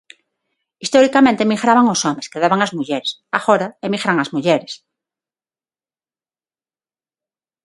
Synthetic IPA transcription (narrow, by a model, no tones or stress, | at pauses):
ist̪oɾikamẽnt̪emixɾaβaŋosomeskeðaβaŋazmuʝeɾesaxoɾaemixɾaŋazmuʎeɾes